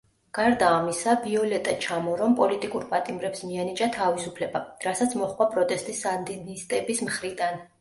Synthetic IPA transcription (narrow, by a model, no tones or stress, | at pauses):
ɡ̥aɾd̪aːmisabiɔlɛt̪ʼat͡ʃʰamɔɾɔmpʼɔlit̪ʼikʼuɾpʼat̪ʼimɾɛpsmianit͡ʃʼat̪ʰavisupʰlɛbaɾasat̪sʰmɔχkʼvapʼɾɔt̪ʼɛst̪ʼisand̪inist̪ʼɛbismχɾid̪an